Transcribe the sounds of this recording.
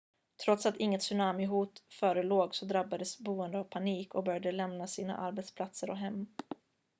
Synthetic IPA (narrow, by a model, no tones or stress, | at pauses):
t̪ʰɾɔt̪sat̪ɪŋːət̪sɵnaːmɪɦuːt̪fœːɾəloːɡsɔd̪ɾabːad̪əsbuːənd̪əavpʰaniːkɔbœɾjad̪əlɛmnasiːna̰ʔaɾbɛt̪spʰlat̪səɾɔ̰ɦɛmː